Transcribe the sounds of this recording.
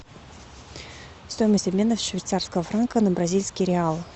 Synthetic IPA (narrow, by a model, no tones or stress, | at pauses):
st̪o̞jməsʲtʲɐbmʲe̞nt̪əfsʂvʲɪt̪sarskəvəfɾankənəbɾɐzʲilʲskʲɪɾʲɪalˠ